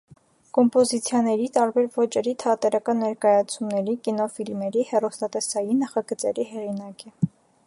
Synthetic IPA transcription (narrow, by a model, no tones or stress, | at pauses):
kɔmpɔzit͡sʰjɑnɛɾit̪ɑɾbɛɾvɔt͡ʃɛɾit̪ʰɑt̪ɛɾɑkɑnːɛɾkɑjɑt͡sʰumnɛɾikinɔfilmɛɾihɛrɔst̪ɑt̪ɛsɑjinɑχɑɡət͡sɛ̰ɾiɦɛʁinɑkɛ